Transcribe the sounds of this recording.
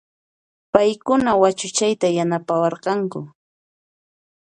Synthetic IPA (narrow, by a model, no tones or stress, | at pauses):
pajkʊnawat͡ʃʊt͡ʃajt̪ajanapawɑɾqɑŋkʊ